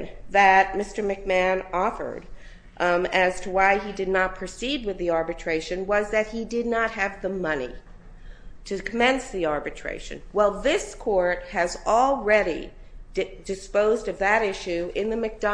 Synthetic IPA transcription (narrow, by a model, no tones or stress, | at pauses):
ðɨt̚mɪstə˞mɨk̚mæ̃nɔfə̰˞d | ɨz̥tʰəwaɪidɨdⁿnət̚pʰɹ̥ɨsid̚wɨðiɑɹbɨtʰɹ̥eɪʃɨ̃nwʌzðɨt̚hidɨdⁿnət̚ɦɨvðəmʌnḭ | ɾɨkʰəmɛ̃nsðiɑɹbɨtʰɹ̥ḛɪʃɨ̰̃nwɛlˠðɪskʰɔɹt̚hɨzl̩ˠɹɛɾḭ | dɨspoʊzdʌvðɨɾɪʃʉɪ̃nðɨmɨk̚d̥ɑ